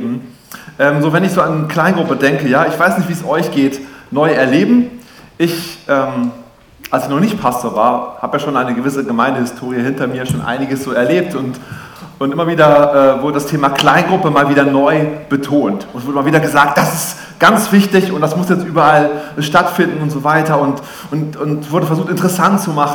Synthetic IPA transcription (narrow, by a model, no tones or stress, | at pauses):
m̩ | ʔɛːmzoːvɛnɪçz̥oːankl̥aɪnɡʁʊpədɛŋkəjaːɪçv̥aɪsnɪçtviːəsʔɔʏçɡ̥eːtnɔʏɛɐleːbm̩ | ʔɪçʔɛːm | ʔalsɪçnɔχnɪçt̚pʰastʰoːɐva̰ːɐhaːbəjaːʃoːnʔaɪnəɡəvɪsəɡəmaɪndəhɪstʰoːʁ̞ijəhɪntɐmiːɐʃoːnʔa̰ɪnɪɡəsz̥oːɛɐleːp̚tʊnt | ʔʊntʔɪmɐviːdɐʔɛːvʊɐdədastʰeːmakl̥aɪnɡʁʊpəmaːlviːdɐnɔʏb̥ətʰoːntʊnsvʊɐdəɪmɐviːdɐɡəzaːk̚t̚d̥asɪst | ɡ̥ant͡sv̥ɪçtɪçʊnt̚d̥asmʊsjɛt͡stʔyːbɐʔalʃtatfɪndn̩ʊntz̥oːvaɪtɐʊnt | ʔʊntʊntvʊɐdəfɛɐzuːχtɪntəʁəsantt͡sumaχn